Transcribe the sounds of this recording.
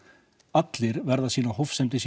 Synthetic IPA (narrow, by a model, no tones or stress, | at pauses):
at̪lɪɾvɛɾðasiːnahowfsɛmt̪ɪs